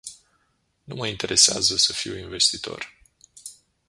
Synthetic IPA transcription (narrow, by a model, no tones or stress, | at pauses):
numəint̪e̞ɾʔe̞sea̰zəsəfiwinve̞st̪it̪o̞̰r